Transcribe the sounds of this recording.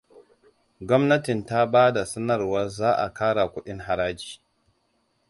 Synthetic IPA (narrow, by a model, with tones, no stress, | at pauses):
ɡʷɔ˦mnɐ˦tɪ˨nta˦baː˦da˨sɐ˦nɐ˨rwɐ˦zaː˦ʔa̰˨kaː˦ɽa˨kʷʊ˦ɗɪ˦ŋɦa˨ɾaː˦d͡ʒi̥ː˨